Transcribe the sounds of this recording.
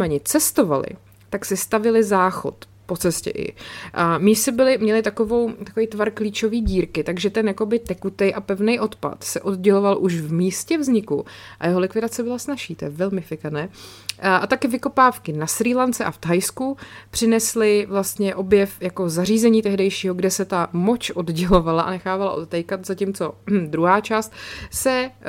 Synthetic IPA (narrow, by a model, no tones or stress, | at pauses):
mɛɲɪt͡sɛst̪o̞va̰lɪ̰ | t̪aksɪst̪avɪlɪzaːxo̞̰t̪ | po̞t͡sɛscɛ̰ʔɪ̰misɪbɪlɪmɲɛlɪt̪ako̞vo̞wt̪akovejt̪vaɾkliːt͡ʃo̞viːɟiːɾkɪt̪aɡʒɛt̪ɛnjako̞bɪt̪ɛkut̪ɛjʔapɛvnɛjʔo̞t̪pa̰t̪sɛʔo̞d̪ɟɛlo̞valʔuʃvmiːscɛvzɲɪkṵʔa̰jɛɦolɪkvɪdat͡sɛbɪlasnaʃiːt̪ojɛvɛlmɪfɪkanɛː | ʔat̪akɪvɪko̞paːfkɪnasɾiːlant͡sɛʔaft̪ajskupr̥ɪnɛslɪvlast̪ɲɛʔo̞bjɛfjako̞zar̝iːzɛɲiːt̪ɛɦdɛjʃiːɦo̞ɡdɛsɛt̪amot͡ʃʔo̞dɟɛlo̞valaʔa̰nɛxaːvala̰ʔot̪t̪ɛjkat̪zacimt͡so̞d̪ɾuɦaːt͡ʃaːst̪sɛ